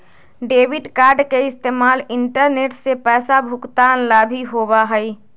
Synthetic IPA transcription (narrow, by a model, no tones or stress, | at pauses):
ɖeːbiɖkaːɾɖkeɪst̪eːmaːlɪɳʈəɾneːʈsepɛːsabʱʊkt̪aːnlabʱiɦobaɦəi